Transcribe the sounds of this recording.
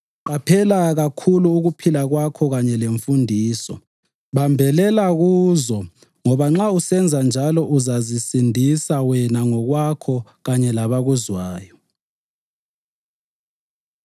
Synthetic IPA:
ǃapʰɛlaɣakʰuluːɣupʰilaɣwakʰɔɣaɲɛleɱfundʱiːsɔ̰ | βambʱɛlɛlaɣuːzɔ | ŋɔβaŋ͡ǁausɛnd͡zʱand͡ʒʱalɔʔuzazisindʱisawɛnaŋɔɣwakʰɔɣaɲɛlaβaɣuzwaːjɔ

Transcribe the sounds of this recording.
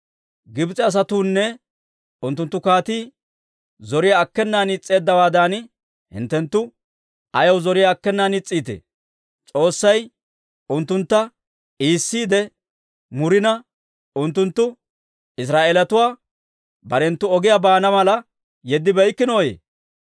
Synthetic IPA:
ɡɪbt͡sʼɛɐs̬ɐt̪uːnːɛ | ʊnt̪ːʊnt̪ːʊkaːt̪iː | zɔɾɪjaːkːɛnːaːnɪt͡sʼːe̞ːd̪ːɐwaːd̪an | hɪ̰nt̪ːɛnt̪ːʊ | ɐjɐwzɔɾɪjaːkːɛnːaːnɪt͡sʼːiːt̪ḛː | t͡sʼo̞ːsːɐj | ʊnt̪ːʊnt̪ːɐ | iːsːiːd̪ɛ | mʊɾɪnɐ | ʊnt̪ːʊnt̪ːʊ | ɪs̬ɾaːʔeːlɐt̪ʊwaː | bɐɾɛnt̪ːʊɔɡɪjabaːnɐmɐlɐ | jɛd̪ːɪbɛjkːɪnoːjḛː

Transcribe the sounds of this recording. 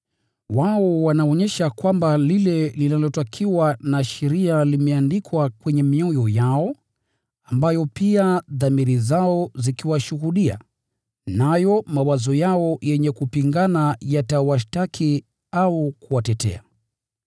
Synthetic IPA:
waɔwanaɔɲɛʃakwambalilɛlinalɔtakʰiwanaʃɛɾialimɛandikʰwakwɛɲɛmiɔjɔjaɔ | ambajɔpiaðamiɾizaɔzikiwaʃuhuɗia̰ | najɔmawazɔjaɔjɛɲɛkupiŋɡanajatawaʃtakʰi | aukuwatɛtɛ̰a̰

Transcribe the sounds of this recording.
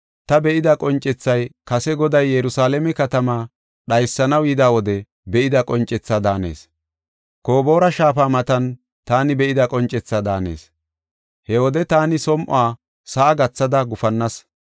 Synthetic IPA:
t̪ɐbɛʔɪd̪ɐkʼɔnt͡ʃʼɛt͡sːɐjkɐsɛɡɔd̪ɐjːɛɾʊsaːlɛmɛkɐt̪ɐmaː | ɗɐjsːɐnɐwjɪd̪aːwɔd̪ɛ | bɛʔɪd̪ɐkʼɔnt͡ʃʼɛt͡sːaːd̪aːne̞̰ːs | koːbo̞ːɾɐʃaːfaːmɐt̪ɐn | t̪aːnɪbɛʔɪd̪ɐkʼɔnt͡ʃʼɛt͡sːaːd̪aːne̞̰ːs | hɛwɔd̪ɛt̪aːnɪsɔmʔʊ̰aː | sɐʔːɡɐt͡sːɐd̪ɐɡʊfɐnːɐs

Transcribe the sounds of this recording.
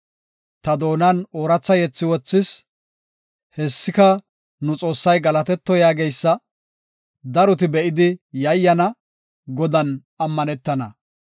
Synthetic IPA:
t̪ɐd̪o̞ːnɐnoːɾɐt͡sːɐjɛt͡sːɪwɔt͡sːɪs | hɛsːɪkɐ | nʊt͡sʼo̞ːsːɐjɡɐlɐt̪ɛt̪ːɔjaːɡejsːɐ | d̪ɐɾɔt̪ɪbɛʔɪd̪ɪjɐjːɐnɐ | ɡɔd̪ɐn | ɐmːɐnɛt̪ːɐnɐ̰

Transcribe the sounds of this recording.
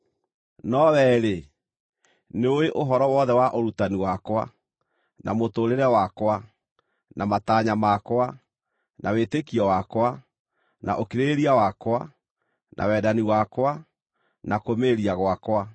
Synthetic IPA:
nɔwɛɾe | neoeʔoɦɔɾɔwɔðɛwaʔoɾutaniwakwa̰ | nʔa̰motoɾeɾɛwakwa | nʔamataɲamakwa | nʔawetekiɔwakwa | na̰ʔokiɾeɾiawakwa | nʔa̰wɛːdaniwakwa | nakomeɾiaɣwakwa

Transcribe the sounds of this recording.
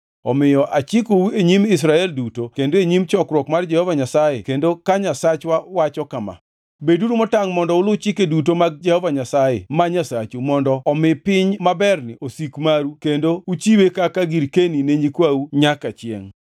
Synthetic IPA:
ɔmɪjɔʔat͡ʃikoueɲimɪs̬ɾaɛldutokendoeɲimt͡ʃɔkɾwɔkmard͡ʒɛhɔvaɲasajḛkendokaɲasat͡ʃwawat͡ʃɔkama̰ | beduɾumɔtaŋmɔndɔʊlʊt͡ʃɪkedutomaɡ̚d͡ʒɛhɔvaɲasajɛ̰maɲasat͡ʃumɔndɔːmɪpɪɲmabɛrnɪʔosikmaɾukendout͡ʃiwekakaɡiɾkenineɲikwauɲakat͡ʃjɛ̰ŋ

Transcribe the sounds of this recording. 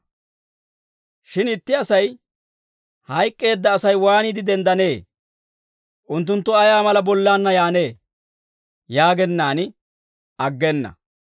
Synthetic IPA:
ʃɪnɪt̪ːɪɐsɐj | hɐjkʼːe̞ːd̪ːɐːsɐjwaːnɪd̪ɪd̪ɛnd̪ɐne̞ː | ʔʊnt̪ːʊnt̪ːʊɐjaːmɐlɐbɔlːaːnːɐjaːne̞ː | jaːɡɛnːaːnɪ | ʔɐɡːɛnːɐ̰

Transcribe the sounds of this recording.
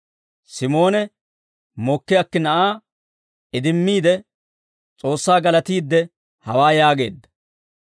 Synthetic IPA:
sɪmo̞ːnɛ | mɔkːɪjakːɪnɐʔaː | ɪd̪ɪmːiːd̪ɛ | t͡sʼo̞ːsːaːɡɐlɐt̪iːd̪ːɛ | hɐwaːjaːɡe̞̰ːd̪ːɐ̥

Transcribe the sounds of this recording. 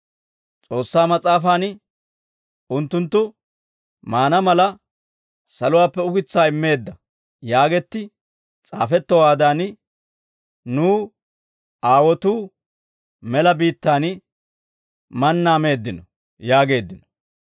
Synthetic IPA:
t͡sʼo̞ːsːaːmɐt͡sʼaːfaːn | ʊnt̪ːʊnt̪ːʊ | maːnɐmɐlɐ | sɐlʊwaːpːɛʊɡɪt͡sːaːɪmːe̞ːd̪ːɐ | jaːɡɛt̪ːɪ | t͡sʼaːfɛt̪ːɔwaːd̪aːn | nuː | ʔaːwɔt̪uː | mɛlɐbiːt̪ːaːn | mɐnːaːme̞ːd̪ːɪnɔ | jaːɡe̞ːd̪ːɪnɔ

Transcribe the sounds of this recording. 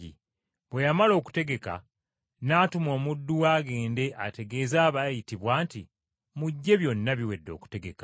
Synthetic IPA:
ḭ | βwe̞jamalo̞ːku̥te̞ɡe̞ka̰ | naːtumo̞ːmudːuwaːɡe̞ːnde̞ʔate̞ɡe̞ːzaːβajitiβwaːnti | muɟːe̞βjo̞nːaβiwe̞dːo̞̰ːku̥te̞ɡe̞kḁ

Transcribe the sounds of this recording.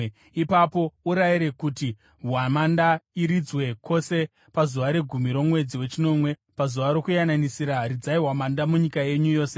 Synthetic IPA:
ipapo̞uɾajiɾe̞kuti | ɦwamandaiɾid͡zwe̞kʰo̞se̞ | pazuʋaɾe̞ɡʱumiɾo̞mwe̞d͡ziwe̞t͡ʃino̞mwe̞pazuʋaɾo̞kujananisiɾarid͡zaiɦwamandamuɲikaje̞ɲujo̞ːse

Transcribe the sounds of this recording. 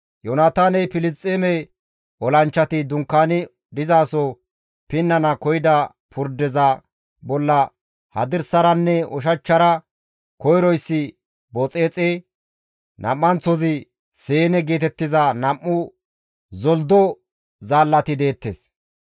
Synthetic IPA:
jɔnaːt̪aːnɛjpɪlɪstʼːeːmɛj | ɔlɐnt͡ʃːɐt̪ɪd̪ʊŋkːaːnɪ | d̪ɪzaːsɔ | pɪnːɐnɐkɔjɪd̪ɐ | pʰʊɾd̪ɛzɐ | bɔlːɐ | hɐd̪ɪɾsɐɾɐnːɛɔʃ̬ɐt͡ʃːɐɾɐ | kɔjɾɔjsːɪ | bɔt͡sʼe̞ːt͡sʼe | nʔɐ̰mːɐnt͡sɔzɪ | seːnɛɡeːt̪ɛt̪ːɪzɐnɐmːʊ | zɔld̪ɔ | zaːlːɐt̪ɪd̪e̞ːt̪ːeːs

